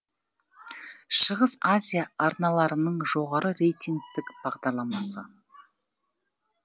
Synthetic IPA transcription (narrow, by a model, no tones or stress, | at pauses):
ʃəʁəsazʲijaɑɾnɑlˠɑɾənəɴʒo̞ʁɑɾəɾe̞jt̪ʲiŋɡ̚t̪ɪkb̥ɑʁd̪ɑɾlˠɑmɑsə